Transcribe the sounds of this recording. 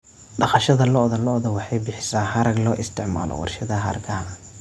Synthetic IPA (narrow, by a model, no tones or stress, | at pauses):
ɖɑχɑʃɐðɐlɔʔðɐlɔʔðɐwɑħɑjbɪħɪ̥saːhɐɾɐɡlɔːʔɪst̪ʰɪʕma̰ːlɔ̰wɑ̰rʃɐðɐɦɐɾɐɡɐ